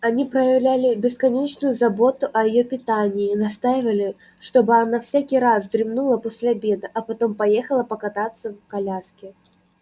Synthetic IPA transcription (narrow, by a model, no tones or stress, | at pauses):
ɐnʲipɾəjɐvlʲælʲɪbʲɪskɐnʲet͡ɕnʊjʊzɐbo̞t̪ʊʔɐjɪjopʲɪt̪anʲɪːnɐst̪ajɪvəlʲɪ | ʂt̪obɨɐnafsʲakʲijɾazd̪ɾʲɪmnulˠɐposʲlʲabʲed̪ɐʔɐpɐt̪ompɐjexəlˠɐpɐkɐt̪at̪sːɐvkɐlʲaskʲɪ